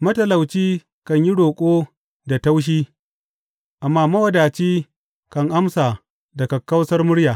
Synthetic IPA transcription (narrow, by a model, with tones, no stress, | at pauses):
mɐ˦tɐ˨la˨wt͡ʃiː˦ | kɐ˨ɲji˦ɽoː˨kʷʼoː˦ | da˨ta˦wʃ̬iː˦ | ʔa˨mːaː˦mɐ˦wɐ˨daː˨t͡ʃiː˦ | kɐ˨ŋʔa˦msaː˨ | dɐ˨ka˨kɐ˦wsɐ˦rmʊ˦ɽjaː˨